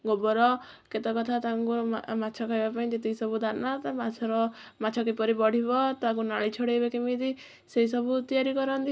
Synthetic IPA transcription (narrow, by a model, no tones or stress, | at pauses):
ɡobɔɾɔ | ket̪ɔkɔt̪ʰat̪aŋkumat͡ʃʰɔkajbapaĩd͡ʒet̪iisɔbud̪anat̪amat͡ʃʰɔɾɔmat͡ʃʰɔk̬ipɔɾibɔɽ̤ibɔt̪akunaɭit͡ʃʰɔɽebakimid̪i | seisɔbut̪iaɾikɔɾɔnt̪i